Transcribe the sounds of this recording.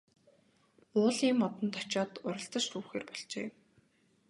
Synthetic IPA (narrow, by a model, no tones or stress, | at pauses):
ʊːɮiːmɔt̪ɞ̆nt̪ʰɔ̥t͡ɕɔːt̪ʊɾə̆ɬt̪ə̆t͡ɕt̪uːxeːrpɔɮt͡ɕḛː